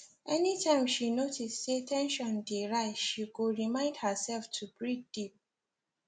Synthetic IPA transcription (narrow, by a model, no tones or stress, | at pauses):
ʔɛnitʰãɪ̃mʃinotistsetʰɛ̃nʃɔ̃ndeɹaɪʃiɡoɹimãɪ̃nd̚həsɛlftʰubɹid̥ip̚